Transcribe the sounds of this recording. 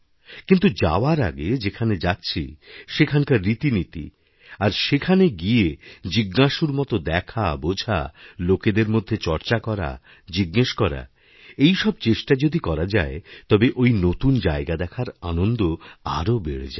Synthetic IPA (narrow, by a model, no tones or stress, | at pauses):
kint̪ud͡ʑa̰oaɾa̰ɡed͡ʑekʰaned͡ʑatːɕʰḭʃekʰankaɾːit̪init̪ḭ | aɾʃekʰaneɡied͡ʑiɡːaʃuɾmɔt̪od̪ɛkʰabod͡ʑʱa̰loked̪eɾmod̪ʱːet͡ɕɔɾt͡ɕakɔɾa̰ | d͡ʑiɡːeʃkɔɾa̰ | ejʃɔb̚t͡ɕeʃʈad͡ʑod̪ikɔɾad͡ʑaet̪ɔbeʔojnot̪und͡ʑaeɡad̪ɛkʰaɾa̰nond̪oa̰ɾobeɽḛd͡ʑa